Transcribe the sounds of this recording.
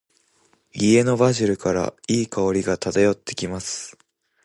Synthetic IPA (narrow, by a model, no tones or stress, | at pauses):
ie̞no̞baʑiɾɯ̟kaɾa̰iːkaoɾʲiɡat̪at̪ajo̞t̪ːe̞̥kʲimasɨ̥